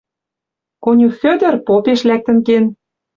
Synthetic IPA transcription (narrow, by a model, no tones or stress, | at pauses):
konʲufø̆d̪ɘ̆rpopeʃlæk̚t̪ə̆nken